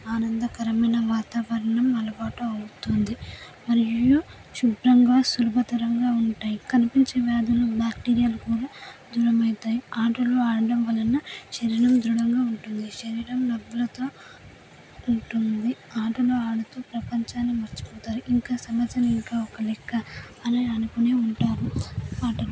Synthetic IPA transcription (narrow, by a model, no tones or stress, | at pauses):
aːnɐnd̪ɐkɐɾɐmɐjnɐʋaːt̪aːʋɐɾɐɳɐmɐlɐbaːʈuɐwut̪und̪i | mɐɾiju | ʃubɾɐŋɡaːsulubʱɐt̪ɐɾɐŋɡaːuɳʈaːjikɐnipiɲt͡ʃeːʋjaːd̪ɐlubaːk̚ʈiːɾijaːlukuːɽaːd̪uːɾɐmɐjt̪aːjiaːʈɐloːaːɽɐɽɐmʋɐlɐnːɐʃɐɾiɽɐmd̪ɾuɽɐŋɡaːuɳʈund̪iʃɐɾiɽɐmlɐbːulɐt̪o̞ː | uɳʈund̪iaːʈɐloːaːɽut̪oːpɾɐpɐɲt͡ʃaːnːimɐɾt͡ʃi̥pɔːt̪aːɾuʔiŋkaːsɐmɐt̪ːjɐnɐiŋkaːɔkɐlɛkʰːɐ | ɐniɐnukune̞ːuɳʈaːɾuaːʈɐlu